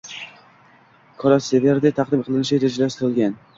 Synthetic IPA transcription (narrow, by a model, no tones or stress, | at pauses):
kʰɒɾaeveɾd̪ɪt̪ʰaqd̪ɪmqʰɨlˠɪnɪʃaeɾad͡ʒalasɪɾɪlˠɡʲan